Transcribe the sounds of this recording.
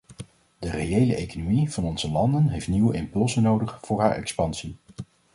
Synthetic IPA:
dərejejləʔejkonomiv̥ɑnɔnzəlɑndənɦejftniwəɪmpɵlˠzənowdəχv̥ʊːɹɦaːɹʔɛ̰kspɑnsi

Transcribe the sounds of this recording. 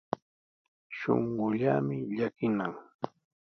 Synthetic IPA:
ʃo̰ɴɢʊʎamɪʎakɪnaŋ

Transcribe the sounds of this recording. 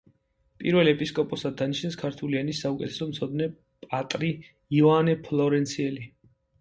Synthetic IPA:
pʼiɾvɛlɛpʼiskʼɔpʼɔsad̪anit͡ʃʰnɛskʰaɾt̪ʰulianisːaukʼɛ̰t̪ʰɛ̥sɔmt̪sʰɔd̪nɛ | pʼat̪ʼɾi | ivanɛpʰlˠɔɾɛnt̪sʰiɛli

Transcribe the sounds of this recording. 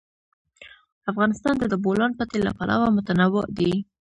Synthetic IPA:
afɣɑnɪst̪ɑnd̪əd̪əbolɑnpat̪ela̰palʔa̰wamʊt̪anawɪʔd̪i

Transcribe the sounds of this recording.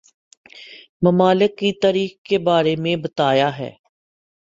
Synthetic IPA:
mɐmaːlɪkːit̪aːɾiːxkebaːɾemẽbɐt̪aːjaɦɛ̰ː

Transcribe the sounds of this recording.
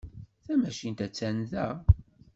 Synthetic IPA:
θæmæʃint̪æt͡sːænðæ

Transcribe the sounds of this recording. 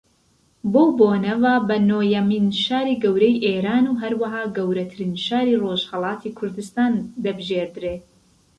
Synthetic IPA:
bowboːnɐvaːbɐnoːjɐminʃaːɾiːɡɐwɾɛjʔeːɾaːnuːɦɐɾwɐɦaːɡɐwɾɐt̪ʰɨɾiːnʃaːɾiːroʒhɐlˠɑːt̪ʰiːkʰʊɾd̪ɨst̪aːnd̪ɐbɨʒeːɾd̪ɾeː

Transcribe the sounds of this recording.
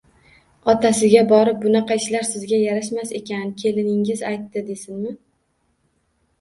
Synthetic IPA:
ɒt̪ʰasɪɡʲabɒɾɪp̚bʊnɑqɑɪʃlaɾsɪzɡʲajaɾaʃmase̞kʲʰankʲʰe̞lɪnɪŋɪzajt̪ːɪd̪e̞sɪnmɪ

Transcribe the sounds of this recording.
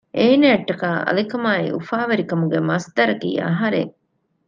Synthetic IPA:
ʔeːneɐʈːɐkaːʔɐ̰likɐmaːḭṵfaːʋɐɾikɐmuɡemɐsd̪ɐɾɐkḭːɐ̰ɦɐɾḛŋ

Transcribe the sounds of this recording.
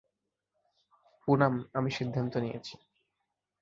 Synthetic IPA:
punamamiʃid̪ʱːant̪onijḛt͡ɕʰi̥

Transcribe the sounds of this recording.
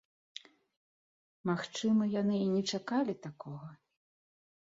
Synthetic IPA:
maxt͡ʂɨmɐjanɨinʲɛt͡ʂakalʲit̪akɔɣɐ

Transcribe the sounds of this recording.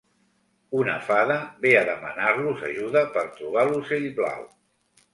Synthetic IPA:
unə̰faðəβeəðəmə̰narluza̰ʒuðəpəɾt̪ɾuβ̞aluzeʎβla̰w

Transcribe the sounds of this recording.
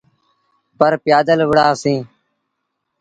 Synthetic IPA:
pəɾpɪjaːd̪əlʋəɽaːsĩː

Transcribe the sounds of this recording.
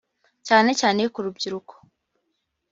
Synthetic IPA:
caːne̞caːne̞kuɾubɟiɾuko̥

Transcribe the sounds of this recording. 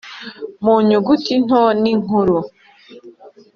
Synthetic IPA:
muɲuɡutin̥oniŋ̥uɾu

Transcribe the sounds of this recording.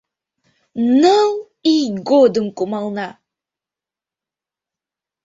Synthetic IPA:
nəlˠ | iɡod̪əŋkumɑlˠna

